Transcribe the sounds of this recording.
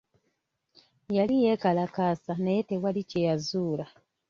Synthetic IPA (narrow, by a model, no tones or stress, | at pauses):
jalijekalakaːsanejete̞walicejazuːla